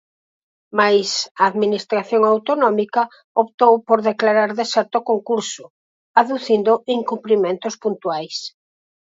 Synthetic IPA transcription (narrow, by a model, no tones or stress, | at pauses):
majsaːðminist̪ɾaθjoŋawt̪onɔmikɐ | op̚t̪owpoɾðeklaɾaɾðesɛɾt̪okoŋkuɾsʊ | aðuθind̪ʊʔiŋkumpɾimẽnt̪ʊspunt̪uajs